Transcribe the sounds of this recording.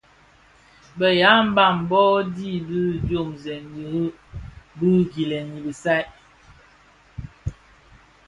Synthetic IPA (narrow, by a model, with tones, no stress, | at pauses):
bə˨ja˨˦m̩˦ba˦˨m˨bɔ˦di˦˨bi˦˨djo˦˨mzɛ˨nji˨hu˦ | bɨ˦ɡi˨lɛ˨ni˨bi˨sa˦